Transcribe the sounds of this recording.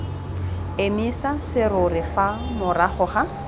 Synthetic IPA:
emisasɪrʊrɪfa | mʊraχʊχa

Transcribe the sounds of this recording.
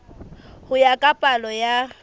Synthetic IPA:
hʊjakʼapʼalɔja

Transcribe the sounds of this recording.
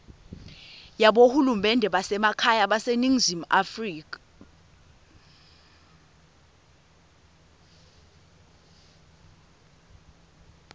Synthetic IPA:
jaɓohulumɛndʱɛɓasɛmakʰajaɓaseniŋzimafriːka

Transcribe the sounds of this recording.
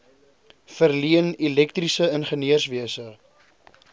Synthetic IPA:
fərliənilɛk̚trisəənχəniərsviəsə

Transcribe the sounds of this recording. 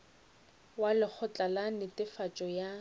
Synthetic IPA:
walɪk͡xʰɔt͡ɬʼalanɪtʼɪfat͡ʃʼɔja

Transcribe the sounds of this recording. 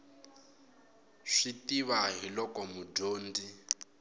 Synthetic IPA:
ʂitiβaɦilɔkɔmudoːndi

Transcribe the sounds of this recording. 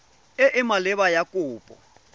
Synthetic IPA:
ɪʔɪmalɪβajakʼʊːpʼɔ̰

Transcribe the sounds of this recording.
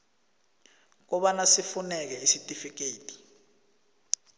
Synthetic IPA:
k̬ɔɓanasifunɛk̬ɛisitʼifik̬eːtʰʼi̥

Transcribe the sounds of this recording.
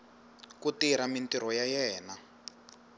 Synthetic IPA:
kutiɾamintiɾɔjajɛːna

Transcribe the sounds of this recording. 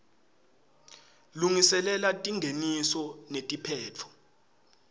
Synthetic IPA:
luŋisɛlɛlatʼiŋʱenisɔnetʼipʰɛːt͡fʰɔ̥

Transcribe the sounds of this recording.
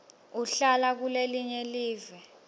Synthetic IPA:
uɬalak̬uleliɲɛliːvɛ

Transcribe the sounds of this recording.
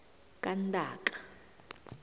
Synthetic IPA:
kʼantʼaːǃḁ

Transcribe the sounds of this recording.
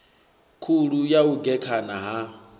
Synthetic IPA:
kʰuɺujauɡɛkʰanaɦa

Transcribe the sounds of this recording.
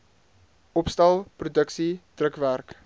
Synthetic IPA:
ɔpstɛlˠprudəksid̥rəkværk

